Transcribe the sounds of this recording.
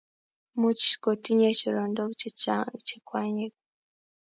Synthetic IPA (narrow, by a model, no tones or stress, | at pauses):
muci̥ʃi̥kotiɲeciɾoːndo | cikwaːɲeko